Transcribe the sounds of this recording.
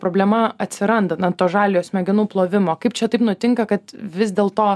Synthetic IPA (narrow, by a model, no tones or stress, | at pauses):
pɾoːbʲlʲɛmɐɐt̪ʲsʲɪɾɐnd̪ɐnɐt̪oːʒɑːlʲɪjoːsmʲɛɡʲɪnuːplˠoːʋʲɪmoːkɐɪp̚t͡ʃʲɛt̪ɐɪpnʊt̪ʲɪŋkɐkɐt̪ʋʲɪzʲd̪ʲeːlˠt̪oː